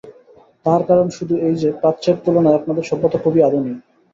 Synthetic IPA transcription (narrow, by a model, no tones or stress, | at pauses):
t̪aɾkaɾonʃud̪ʱuejd͡ʑepɾat̪ːt͡ɕeɾ̚t̪ulonaɛknad̪eɾʃɔbːot̪okʰobiad̪ʱunij